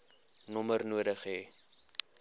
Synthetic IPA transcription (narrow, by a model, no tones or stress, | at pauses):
nɔmərnuədəχɦeː